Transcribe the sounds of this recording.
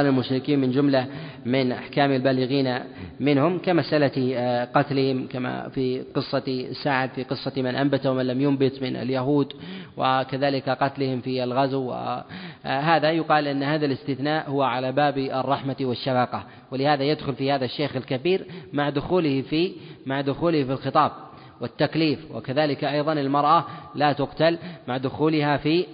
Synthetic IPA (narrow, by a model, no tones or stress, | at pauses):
lalmʊʃɾɪkiːnmɪnd͡ʒʊmlamɪnʔa̰ħkaːmalbaːlɪɣiːnamɪnhʊmkamasʔalaqɑt̪lɪhɪmkama̰fiqɨsˤːɑsːaʕad̪fiqɨsˤːɑmɪnʔambat̪awamanlamjʊmbɪt̪mɪna̰ljaɦuːd̪wɪ̰kaðaːlɪkaqɑt̪lɪhɪmfialɣazwːɪ̰ | ɦaːðajʊqɑːlʔɪnːhaːðalɪst̪ɪθnaːʔhʊwaʕalabaːbɨ̰rˤːɑħmawɪʃːafɑqɑ | wɪlɪhaːðajad̪xʊlfiːhaːðaʃːeːxɪlkabiːɾmaʕd̪ʊxuːlɪhfimaʕd̪ʊxuːlɪhfilxɨt̪ˤɑːb̚ | wɪt̪ːakliːfwɪ̰kaðaːlɪkʔɑjðˤɑnɪlmɑɾˤʔalaːt̪ʊqt̪almaʕd̪ʊxuːlɪhafiː